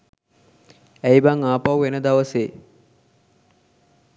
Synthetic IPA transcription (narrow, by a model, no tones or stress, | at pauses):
æjbaŋaːpawʋenəd̪aʋəseː